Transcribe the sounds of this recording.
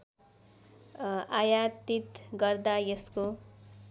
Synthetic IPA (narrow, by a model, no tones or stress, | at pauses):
ajat̪it̪ɡʌrd̪ajʌsko